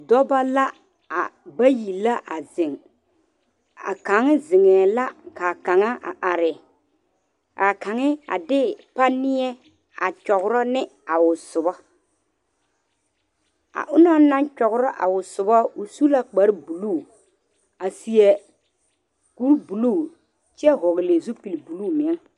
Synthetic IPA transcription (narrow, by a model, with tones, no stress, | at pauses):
dɔ˦ba˦la˦ | a̰˨ba˦ji˨lːa˦ʔa˨zɪ˨ŋ | a̰˨ka˨˦ŋɪ˦zɪ˨ŋɛː˨la˦ka˨ka˨ŋa˦ʔa̰˨ʔa˨ɾɪ˨ | ka˨ka˨ŋɪ˦a̰˨dɪ˦pa˦nɪ˦ɛ˦ | a˨t͡ʃɔ˨ɣʊ˦ɾɔ˦nɪ˦a˨wʊ˨sʊ˨bɔ˦ | a̰˨ʔʊ˦nɔ˦na˦n˦t͡ʃɔ˨ɣʊ˦ɾɔ˦ʔa̰˨wʊ˨sʊ˨bɔ˦ʊ˨su˦la˦k͡pa˦ɾbu˨luː˦˨ | a˨si˨ɛ˨ | ku˦ɾbu˨luː˦˨ | t͡ʃɛ˦ɦʊ˨ɣɪ˨le˨zu˦pi˨lbu˨luː˦˨mɪ˨˦ŋ